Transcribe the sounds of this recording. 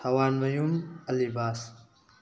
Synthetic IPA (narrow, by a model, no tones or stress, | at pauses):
ɐwaːnmɐjumɐlibaːs